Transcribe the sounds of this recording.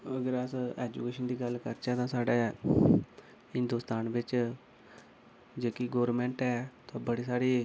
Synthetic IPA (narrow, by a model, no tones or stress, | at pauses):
əɡəɾəsɛːd͡ʒukeːʃənd̪iːɡəlkəɾt͡ʃɛːt̪ãːsaːɖeː | hɪnd̪uːst̪aːnʋɪt͡ʃ | d͡ʒeːkiɡoːɾəɾmɛ̃ːɳʈɛːt̪ãːbəɽiːsaːɽiː